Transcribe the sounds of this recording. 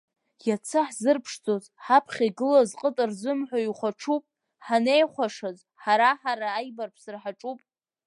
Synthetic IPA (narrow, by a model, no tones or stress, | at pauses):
jat͡sʰɨħzɨrpʰʂd͡zozħapʰχʲaiɡɨlazqʼətʼɨrd͡zʷɨmħʷaiχʷaʈ͡ʂʰupʼ | ħanejχʷaʂaz | ħaɾaħaɾaːjbarpʰsɨrħaʈ͡ʂʼupʼ